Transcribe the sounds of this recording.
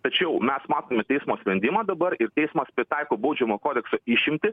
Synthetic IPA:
t̪ɐt͡ʃʲɛʊmʲɛsmɑːt̪oːmʲɛt̪ʲɛɪsmoːsʲpʲɾʲɛnʲd̪ʲɪmɑːd̪ɐbɐɾɪɾt̪ʲɛɪsmɐspʲɾʲɪt̪ɑɪkoːbɐʊd͡ʒʲɛmoːkoːd̪ʲɛksoːɪʃʲɪmʲt̪ʲɪ

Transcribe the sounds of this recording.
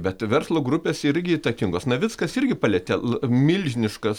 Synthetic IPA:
bʲɛt̪ʋʲɛɾslˠoːɡɾʊpʲeːsɪɾʲɡʲɪit̪ɐkʲɪŋɡoːsnɐʋʲɪskɐsɪrʲɡʲɪpɐlʲɛt̪ʲɛmʲɪlʲʒʲɪnʲɪʃkɐs

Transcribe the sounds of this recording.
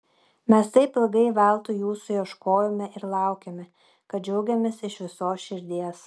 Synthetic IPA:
mʲɛst̪ɐɪpɪlˠɡɐɪʋʲɛlˠt̪ʊjuːsʊjɛʃkoːjomʲɛʔɪɾlˠɑˑʊkʲɛmʲɛ | kɐt̪̚d͡ʒʲɛʊɡʲɛmʲeːsɪʃʋʲɪsoːsʃʲɪɾʲd̪ʲiɛs

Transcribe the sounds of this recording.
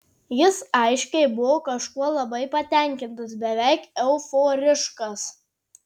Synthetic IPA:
jɪsɐɪʃʲkʲɛɪbʊʋoːkɐʃkuɔlˠɐbɐɪpɐt̪ʲɛˑŋʲkʲɪnt̪ɐsbʲɛʋʲɛˑɪkɛʊfoːɾʲɪʃkɐs

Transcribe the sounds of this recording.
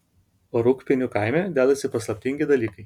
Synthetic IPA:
oːɾʊkpʲɪnʲuˑkaˑɪmʲɛd̪ʲæːd̪ɐsʲɪpɐslˠɐpʲt̪ʲɪŋʲɡʲɪd̪ɐlʲiːkɐɪ

